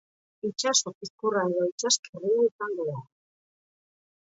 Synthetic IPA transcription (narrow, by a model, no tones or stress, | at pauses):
it͡ʃasokiskuraeðait͡ʃaskeruesaŋɡoa